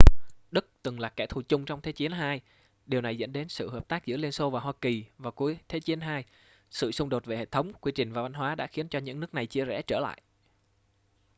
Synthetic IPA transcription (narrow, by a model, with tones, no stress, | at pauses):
ɗɨ˦˥k̚t̪ɨ˨˩ŋlaː˨˩kɛ̰˧˩t̪ʰu˨˩t͡ɕʊ˧ŋ͡mt͡ɕɔ˧wŋ͡mt̪ʰe˨˦t͡ɕi˨˦ənɦaː˧j | ɗi˨˩əwna˨˩jzə̰˧˥nɗe˨˦nsɨ̰˧˨həː˨˩p̚t̪aː˦˥k̚zɨ̰˧˥əli˧ənso˧vaː˨˩ɦwaː˧ki˨˩vaː˨˩ku˨˦əjt̪ʰe˨˦t͡ɕi˨˦ənɦaː˧j | sɨ̰˧˨sʊ˧ŋ͡mɗo˨˩t̚ve˨˩hḛ˧˨˩t̪ʰə˨˦wŋ͡mkwi˧t͡ɕï˨˩ŋ̟vaː˨˩va˨˧˦n̟ɦwaː˨˦ɗa̰ː˧˥xi˨˦ənt͡ɕɔ˧ɲɨ̰˧˥ŋnɨ˦˥k̚na˨˩jt͡ɕi˧əzɛ̰˧˥˩t͡ɕəː˧˩la̰ː˧˨jʔ